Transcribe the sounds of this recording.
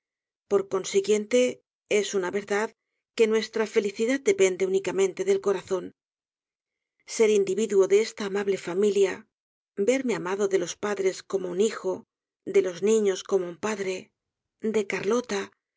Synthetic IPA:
po̞ɾko̞nsiɣje̞nt̪e̞ | e̞sunaβe̞ɾðað | ke̞nwe̞st̪ɾafe̞liθiðaðd̪e̞pe̞nd̪e̞unikamẽnt̪e̞ðe̞lko̞ɾaθo̞n | se̞ɾind̪iβiðuo̞ðe̞est̪aːmaβle̞familja | be̞ɾme̞amaðo̞ðe̞lo̞spaðɾe̞sko̞mo̞unixo̞ | d̪e̞lo̞znĩɲo̞sko̞mo̞umpaðɾe̞ | d̪e̞kaɾlo̞t̪a

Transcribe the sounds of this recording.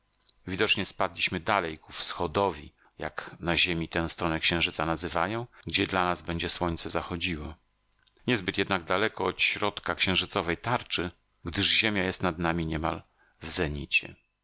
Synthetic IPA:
vʲid̪ɔt͡ʂɲɛspad̪lʲiɕmɘd̪alɛjkufsxɔd̪ɔvʲḭ | ja̰knaʑemʲit̪ɛ̃w̃st̪ɾɔnɛkɕɛ̃ʐɘt̪sanazɘvajɔ̃w̃ɡd͡ʑɛd̪lanazbɛɲd͡ʑɛswɔɲt̪sɛzaxɔd͡ʑiwɔ | ɲɛzbɘt̪jɛd̪naɡ̚d̪alɛkɔːt̪ɕɾɔt̪kakɕɛ̃w̃ʐɘt̪sɔvɛjt̪aɾt͡ʂɘ | ɡd̪ɘʐʑemʲjajɛst̪nad̪namʲiɲɛmal | vzɛɲit͡ɕɛ̰

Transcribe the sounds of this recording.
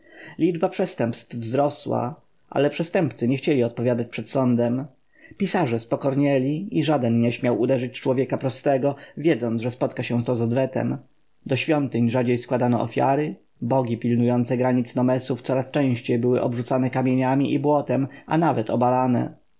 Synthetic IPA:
lʲid͡ʐbapʂɛst̪ɛmpst̪vvzɾɔswa̰ | ʔa̰lɛpʂɛst̪ɛmpt̪sɘɲɛxt͡ɕɛlʲiɔt̪̚pɔvʲjad̪at͡ɕpʂɛt̪sɔnd̪ɛm | pʲisaʐɛspɔkɔɾɲɛlʲiiʐad̪ɛnɲɛɕmʲjawud̪ɛʐɘt͡ɕt͡ʂwɔvʲjɛkapɾɔst̪ɛɡɔvʲjɛd̪zɔnzʐɛspɔt̪kaɕɛ̃st̪ɔzɔd̪vɛt̪ɛ̰m | d̪ɔɕfʲjɔnt̪ɘɲʐad͡ʑejskwad̪anɔʔɔ̰fʲja̰ɾɘ | bɔɡʲipʲilnujɔnt̪sɛɡɾaɲit̪snɔmɛsuft̪sɔɾast͡ʂɛ̃w̃ɕt͡ɕejbɘwɘʔɔbʐut̪sanɛkamʲjeɲamʲiʔibwɔt̪ɛma̰navɛt̪ɔbalanɛ̰

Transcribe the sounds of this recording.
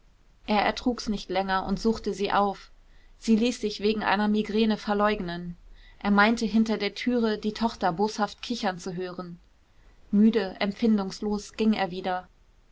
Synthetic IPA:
ʔeːɐɛ̰ɐtʁ̥uːksnɪçtlɛŋɐʔʊ̰ntz̥uːχtəziːʔaʊf | z̥iːliːsz̥ɪçv̥eːɡŋ̩ʔa̰ɪnɐmiɡʁeːnəfɛɐlɔʏɡnənʔeːɐmaɪntəɦɪntɐdeːɐtʰyːʁədiːtʰɔχtɐboːshaft̚kʰɪçɐnt͡suɦøːʁən | myːdəʔɛmfɪndʊŋsloːsɡ̥ɪŋḛːɐviːdɐ

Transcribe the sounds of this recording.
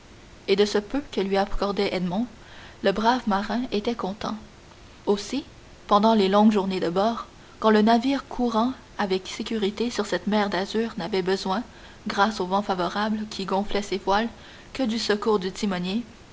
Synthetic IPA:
ed̪əsəpøkəlɥiakɔʁd̪ɛʔɛd̪mɔ̃ | ləbʁavmaʁɛ̃et̪ɛkɔ̃t̪ɑ̰̃ | osi | pɑ̃d̪ɑ̃lelɔ̃ŋɡʒuʁned̪əbɔːʁ | kɑ̃lənaviːʁkʰuʁɑ̃ | avɛksekʲyʁit̪esyʁsɛt̪mɛːʁd̪azyːʁnavɛbəzwɛ̃ | ɡʁasovɑ̃favɔʁablkʲʰiɡɔ̃flɛsevwal | kəd̪ysəkuːʁd̪yt̪imɔnje

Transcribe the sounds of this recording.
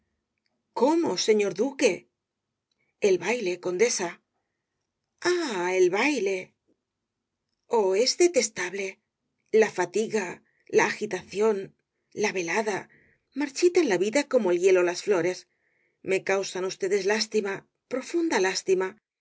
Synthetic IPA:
ko̞mo̞se̞ɲo̞ɾðuke̞ | elβajle̞ko̞nd̪e̞sa | aelβajle̞ | oe̞zðe̞t̪e̞st̪aβle̞ | lafat̪iɣa | laːxit̪aθjo̞n | laβe̞laða | maɾt͡ʃit̪enlaβiðako̞moelje̞lo̞lasflo̞ɾe̞s | me̞kawsanust̪e̞ðe̞zlast̪ima | pɾo̞fund̪alast̪ima

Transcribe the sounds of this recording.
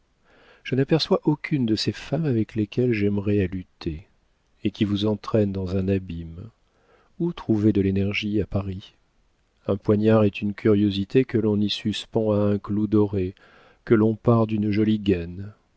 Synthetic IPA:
ʒ̥ənapɛʁswaʔɔkʲʰynd̪əsefamavɛklekʲɛlʒɛmʁɛalyt̪ʰe | ekʲivuzɑ̃t̪χɛnd̪ɑ̃zɛ̃nabim | ut̪χuved̪əlenɛʁʒiapaʁi | ɛ̃pwaɲaʁɛt̪ynkʲʰyʁjozit̪ekəlɔ̃nisyspɑ̃aɛ̃klud̪ɔʁe | kəlɔ̃paʁd̪ynʒɔliɡan

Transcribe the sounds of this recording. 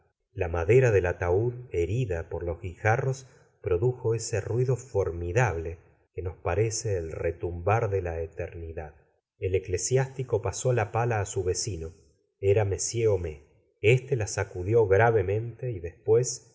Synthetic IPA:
lamaðe̞ɾaðelat̪auðe̞ɾiðapo̞ɾlo̞zɣixaro̞s | pɾo̞ðuxo̞ese̞rwiðo̞fo̞ɾmiðaβ̞le̞ | keno̞spaɾe̞seːlret̪umbaɾðe̞laet̪eɾniðað | ele̞kle̞sjast̪iko̞paso̞lapalaːsuβe̞sino | eɾame̞sjeome | est̪e̞lasakuðjo̞ɣɾaβe̞mẽ̞nt̪e̞iðe̞spwe̞s

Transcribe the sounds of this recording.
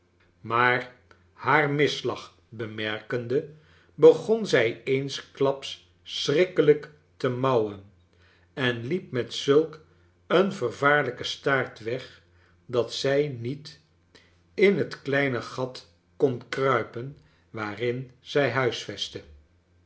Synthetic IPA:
maːɹ | haːɹmɪslɑχ | bəmɛrkəndə | bəχonzɛjejnsklɑpsː | rɪkələk | təmɑwən | ɛnlip̚mɛtsɵlˠk | ənvərvaːɹləkəstaːɹtʋɛχ | dɑtsɛjnit | ɪnɦətklɛjnəχɑt | konkrœɥpən | ʋaːrɪnz̥ɛjɦœɥsfɛstə

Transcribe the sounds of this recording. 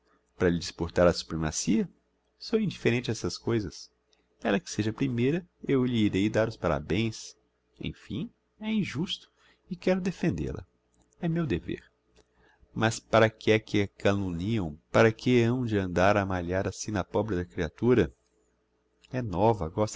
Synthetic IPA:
paɾɐʎɪd͡ʒispoɾt̪aɾɐsu̥pɾema̰siɐ | sowĩnd͡ʒifeɾẽnt͡ʃɪɛsɐskojzɐs | ɛlɐkɪ̥seʒɐpɾimejɾɐewʎiːɾejd̪aɾʊspaɾa̰bẽj̃s | ḛ̃j̃fḭ̃ | ɛĩʒust̪ʊ̥ | ɪkɛɾʊd̪efẽnd̪ḛlɐ̰ | ɛmewd̪evḛɾ | mɐspaɾɐkɪɛkɪɐkalũniɐ̃w̃paɾɐkɪɐ̃w̃d͡ʒɪɐ̃nd̪aɾamaʎaɾasĩnɐpɔbɾɪd̪ɐkɾiat̪uɾɐ | ɛnɔvɐɡɔst̪

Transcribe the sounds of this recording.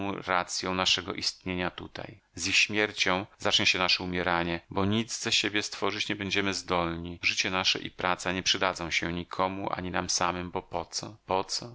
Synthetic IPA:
w̃ɾat̪sʲjɔ̃w̃naʂɛɡɔ̰ʔist̪ɲeɲat̪ut̪a̰j | zʲjixɕmʲjɛɾt͡ɕɔ̃w̃zat͡ʂɲɛɕɛnaʂɛumʲjɛɾaɲɛbɔɲid̪zzɛɕebʲjɛst̪fɔʐɘt͡ɕɲɛbɛɲd͡ʑɛmɘzd̪ɔlɲiʐɘt͡ɕɛnaʂɛ̰ʔḭpɾʔat̪saɲɛpʂɨd̪ad̪zɔ̃w̃ɕɛɲikʰɔmuʔa̰ɲinamsamɘmbɔpɔt̪sɔpɔt̪sɔ

